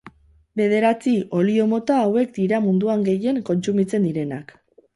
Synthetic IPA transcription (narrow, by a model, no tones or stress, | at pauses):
be̞ð̞e̞ɾat͡sio̞lio̞mo̞t̪aːwe̞k̚d̪iɾamund̪uaŋɡe̞je̞ŋko̞nt͡sumit͡se̞nd̪iɾe̞nak